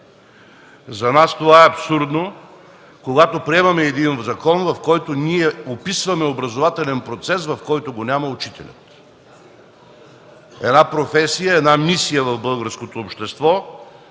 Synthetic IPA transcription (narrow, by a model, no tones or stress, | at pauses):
zɐnast̪ovaɛɐpsuɾd̪no | koɡat̪opɾiɛmɐmɛːd̪inzɐkɔnvɐfkɔjt̪onʲiɛopisvɐmɛobɾɐzovat̪ɛlʲɛnpɾot̪sɛsvɐfkɔjt̪oɡonʲamɐʊt͡ʃit̪ɛ̰lʲɐ̰t̪ | ɛd̪napɾofɛsijəɛd̪namisijəvɐvbɤlˠɡəɾskot̪oːpʃt̪ɛst̪vɔ